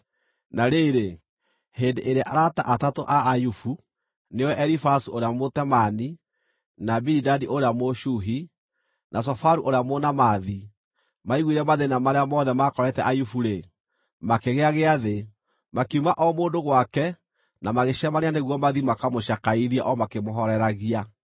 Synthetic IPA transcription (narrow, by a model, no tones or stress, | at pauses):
naɾeɾe | hendeʔeɾaʔaɾata̰ʔatatoʔaːjufu | newɛʔɛɾifasuoɾeamotɛmani | nabiɾidadiʔoɾeamoʃuɦi | nʔas̬ɔfaɾuʔoɾeamonamaði | maiɣwiɾɛmaðenamaɾeamɔðɛmakɔɾɛtɛʔajufuɾe | makeɣeaɣeaðe | makeumaʔɔmoːndoɣwakɛ | namaɣeʃɛmaneaneɣwɔmaðimakamoɕakaiðiɛ̰ʔɔmakemoɦɔɾɛɾaɣia